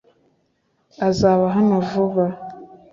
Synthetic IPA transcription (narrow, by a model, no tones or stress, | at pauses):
azaβaɦanovuβa